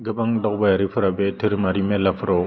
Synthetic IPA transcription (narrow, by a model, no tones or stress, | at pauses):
ɡabaŋdɔkbajaɾifɨɾabɛtiɾmaɾimɛlafɾo